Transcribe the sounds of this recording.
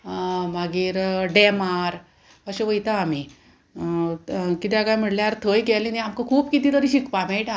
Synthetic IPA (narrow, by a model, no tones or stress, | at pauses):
maɡiːɾɖemaɾ | əɕeʋəjt̪aːm̤i | kit̪ĩaɡajm̤əɽljaɾt̪ʰəjɡɛliniamkəkʰuːpkit̪ĩːt̪əɾiɕikpameʈa